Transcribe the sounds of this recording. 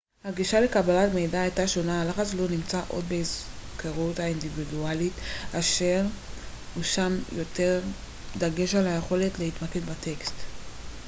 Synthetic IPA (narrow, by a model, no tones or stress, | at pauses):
haɡiʃale̞kabalatme̞jdaːjtaʃo̞nalaχat͡slo̞nimt͡saʔo̞̰dbeizkʰeʁutaindividualitaʃe̞ʁ | huʃamjo̞te̞ʁ | d̪aɡe̞ʃalhaje̞χo̞le̞tle̞hitmakedbate̞kst